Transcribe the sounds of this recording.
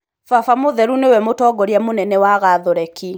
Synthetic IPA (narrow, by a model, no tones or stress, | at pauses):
fafamoðɛɾunewɛmotɔːɡɔɾjamonɛnɛwaɣaðɔɾɛki